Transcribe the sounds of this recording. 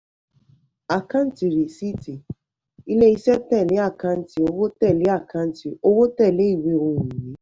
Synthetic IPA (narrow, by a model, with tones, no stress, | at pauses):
a˨ka˦n˦ti˨ɾi˨si˦ti˨ | i˦le˦i˧sɛ˦tɛ˦˨le˨˦a˦˨kã˦˨n̩˦ti˨o˧wo˦tɛ˦˨le˨˦a˦˨kã˦˨n˦ti˨o˧wo˦tɛ˦˨le˨˦i˦˨we˦o˧wũ˨nĩ˨˦